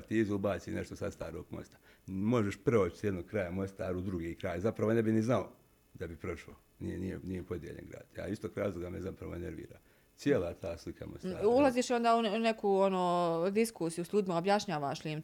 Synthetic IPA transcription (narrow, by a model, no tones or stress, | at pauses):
t̪iːzuubaːsine̞ʃt̪osast̪aːɾoːɡ̥mo̞̰st̪ḁ | mo̞ʒeʃpɾeot͡ʃisjed̪noɡ̥̚kɾaːjamo̞st̪aːɾuud̪ɾuɡiːkɾaːjzapɾaʋo̞ne̞biniznao | d̪abipɾo̞ʃlo | nijenijḛnijepo̞d̪jḛʎḛɡɾa̰ːd̪̥ja̰ist̪oːkɾaːzlˠoɡamezapɾaʋo̞eneɾʋḭːɾa̰ː | sjeːlˠaːt̪ʰaːslikʰa̰mo̰st̪aːulˠaziːʃo̞nd̪aːune̞kuonoːd̪iskuːsijusʎʲuːd̪imaobjaʃɲaːʋaʃlʲim